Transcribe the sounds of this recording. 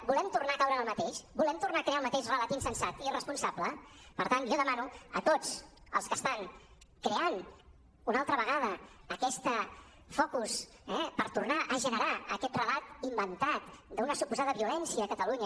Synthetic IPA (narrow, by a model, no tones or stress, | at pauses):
bulɛmt̪urnakawɾəːlˠmət̪eʃbulɛmt̪urnaːkɾealˠmət̪eʃrələt̪insənsat̪irəspunsabləpəɾt̪anʒɔðəmanuət̪ot͡sə̰lˠskəst̪aŋ | kɾean | unalˠt̪ɾəβəɣað̞əːkɛst̪ə | fɔkus | ɛpəɾt̪urnaʔəʒənəɾaəkɛt̪rəlat̪imbənt̪at̪d̪əunəsupuzað̞əβiulɛnsiəːkət̪əluɲə